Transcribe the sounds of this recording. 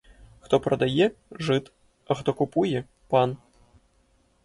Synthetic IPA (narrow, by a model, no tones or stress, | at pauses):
xt̪ɔpɾɐd̪ajɛʐɨt̪ | ɐxt̪ɔkupujɛ | pan